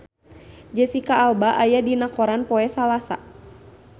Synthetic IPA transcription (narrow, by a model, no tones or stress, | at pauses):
d͡ʒɛsikaːlbaʔajadinakɔɾanpɔɛsalasa̰